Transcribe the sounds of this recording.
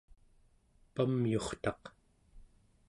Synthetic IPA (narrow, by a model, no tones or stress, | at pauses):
pamjo̞χt̪ɑq